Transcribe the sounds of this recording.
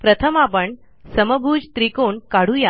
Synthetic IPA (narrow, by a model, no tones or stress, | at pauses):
pɾət̪ʰəmapəɳ | səməbʱuːd͡ʑt̪ɾikoɳkaɽ̤uja